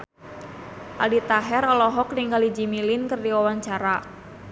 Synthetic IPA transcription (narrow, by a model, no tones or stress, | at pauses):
ʔa̰lit̪aɦɛralɔɦɔk̚niŋɡalid͡ʒimilɪnkɨrdiwawaɲt͡ʃaɾa